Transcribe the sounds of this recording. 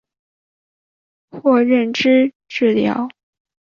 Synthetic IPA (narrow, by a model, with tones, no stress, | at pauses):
xwɔ˥˧ɻə˥˩nʈ͡ʂɻ̩˥ | ʈ͡ʂɻ̩˥˩ljɑ̰˧˥˦ʊ